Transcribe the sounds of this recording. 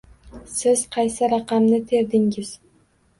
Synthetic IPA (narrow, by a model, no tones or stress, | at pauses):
sɪz̥qʰɑjsɪɾɑqɑmnɪt̪ʰe̞ɾd̪ɪŋɪz̥